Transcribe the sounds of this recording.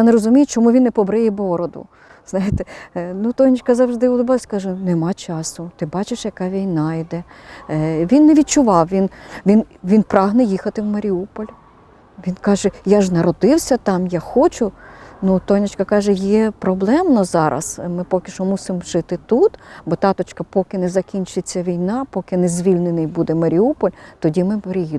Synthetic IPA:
janeɾɔzʊmʲijʊt͡ʃɔmuʋʲinːepɔbɾɪjɛbɔɾɔd̪ʊ̰ | z̥nɑjɪt̪ɛnut̪ɔnʲit͡ʃkɐzɐʋʐd̪ɪʊlˠʊbɑlˠsʲkɑʒɛnɛmɑt͡ʃɑsʊt̪ɪbɑt͡ʃɪʃjɐkɑʋʲijnɑjd̪ɛ | ʋʲinːeʋʲid̪̚t͡ʃʊʋɑwʋʲinʋʲinʋʲinpɾɑɦnɛjixɐt̪ɪwmɐɾʲiupɔlʲ | ʋʲinkɑʒɛjaʒnɐɾɔd̪ɪwsʲɐt̪ɑmjɑxɔt͡ʃʊnut̪ɔnʲɐt͡ʃkɐkɑʒɛjɛpɾɔblˠɛmnɔzɑɾʔɐ̰smɪpɔkʲɪʃɔmusɪmʒɪt̪ɪt̪ut̪bɔt̪ɑt̪ɔt͡ʃkɐpɔkɪnɛzɐkʲinʲt͡ʃet͡sʲːɐʋʲijnɑpɔkɪnɛzʲʋʲilʲnenɪjbud̪ɛmɐɾʲiupɔlʲt̪ɔdʲimɪbɐɾʲiji

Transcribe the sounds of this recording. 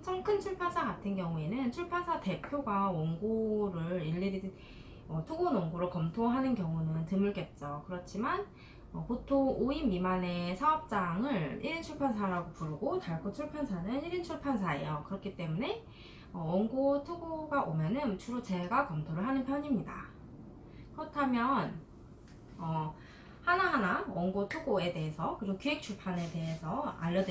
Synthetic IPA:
mt͡ɕʰʌŋkʰɯnt͡ɕʰuɭpʰansʰaɡatʰɯnkjʌŋuenɯnt͡ɕʰuɭpʰansʰate̞pʰjoɡwawʌŋɡoɾɯɭiʎːiɾidn | ʌtʰuɡonʌŋɡoɾɯɭkʌmtʰoɦanɯnkjʌŋunɯntɯmɯɭk͈e̞t̚t͡ɕ͈ʌkɯɾʌt͡ɕʰiman | ʌpotʰooimimane̞sʰaʌp̚t͡ɕ͈aŋɯɭiɾɯnt͡ɕʰuɭpʰansʰaɾaɡopuɾɯɡotaɭkʰot͡ɕʰuɭpʰansʰanɯniɾint͡ɕʰuɭpʰansʰaḛjokɯɾʌkʰit͈e̞mune̞ | ʌʌŋɡotʰuɡoɡaʔomjʌnɯnt͡ɕʰuɾot͡ɕe̞ɭɡakʌmtʰoɾɯɭɦanɯnpʰjʌɲimɲida̰ | kɯɾʌtʰamjʌn | ʌ | hanaɦanaʌŋɡotʰuɡoe̞de̞ɦesʰʌkɯɾiɡokuɦe̞k̚t͡ɕʰuɭpʰane̞te̞ɦesʰʌa̰ʎːʌd

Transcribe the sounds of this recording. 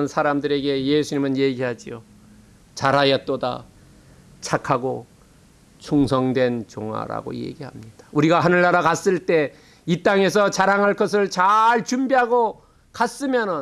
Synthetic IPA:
ɯnsʰaɾamdɯɾe̞ɡe̞jesʰuɲimɯnje̞ɡiɦad͡ʑio | t͡ɕaɾɦajʌt͈oda̰ | t͡ɕʰakʰaɡo | t͡ɕʰuŋsʰʌŋdwe̞nt͡ɕoŋwa̰ɾa̰ɡo̰je̞̰ɡiɦamɲid̥ḁuɾiɡaɦanɯɭːaɾakas͈ɯɭt͈e̞ | it͈aŋe̞s̬ʰʌt͡ɕaɾaŋɦaɭk͈ʌs̬ʰɯɭt͡ɕaɭt͡ɕumbiɦaɡo | kas͈ɯmjʌnɯ

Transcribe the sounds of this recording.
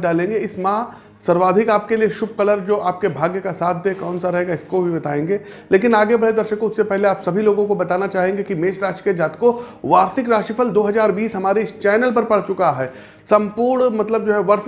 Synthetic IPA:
ɖaːlẽːŋɡeɪsmãː | sɐɾʋaːd̪ʱɪkaːp̚kelieʃʊb̚ʱkɐləɾd͡ʒoːʔaːp̚kebʱaːɡjəkasaːt̪̚ʰd̪ekɔːnsaɾɐɦeːɡaɪskobʱibɐt̪aːẽːŋɡeː | leːkɪnaːɡebɐɽed̪ɐɾʃəkːoʊssepɛɦleaːpsɐbʱiloːɡõkobɐt̪aːnat͡ʃaːɦẽːŋɡekimeːʃɾaːʃi̥ked͡ʒaːt̪koʋaːɾsɪkɾaːʃipʰəld̪oːɦɐzaːɾbiːsɦɐmaːɾet͡ʃɛːnəlpɐɾpɐɽ̤t͡ʃʊkaɦɛː | sɐ̃mpuːɾɽɳmɐt̪ləb̚d͡ʒoːɦɛʋɐɾs

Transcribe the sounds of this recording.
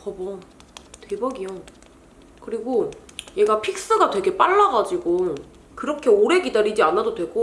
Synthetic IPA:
kʌbʌ | twebʌɡio | kɯɾiɡoje̞ɡapʰik̚s͈ɯɡatwe̞ɡe̞p͈aɭːaɡad͡ʑiɡo | kɯɾʌkʰe̞oɾe̞ɡidaɾid͡ʑianːadodwe̞ɡo

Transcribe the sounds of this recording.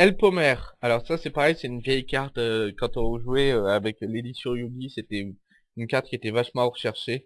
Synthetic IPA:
ɛlpɔmɛʁalɔʁsasɛpaʁɛjsɛt̪ynvjɛjkaʁt̪økɑ̃t̪ɔ̃ɔ̃ʒuwɛøavɛkled̪isjɔ̃jubiset̪ɛ | ynkaʁt̪kʲiet̪ɛvaʃmɑ̃ʁəʃɛʁʃe

